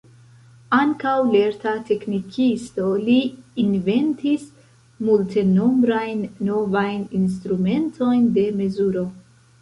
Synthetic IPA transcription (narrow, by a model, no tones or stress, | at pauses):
aŋkawle̞ɾtate̞knikʰisto̞liːnve̞ntis | multe̞no̞mbɾajnːo̞vajnins̬tɾume̞ntʰo̞jnde̞me̞zuɾo̞